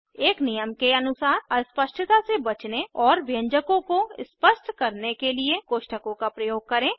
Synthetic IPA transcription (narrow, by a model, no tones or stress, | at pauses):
eːknɪjəmkeɐnʊsaːɾəspəʃʈʰt̪asebɐt͡ʃneɔːɾbjə̃ɲd͡ʒəkõkoɪspəʃʈʰkɐɾnekeliekoːʃʈəkõkapɾɐjoːɡ̚kɐɾẽː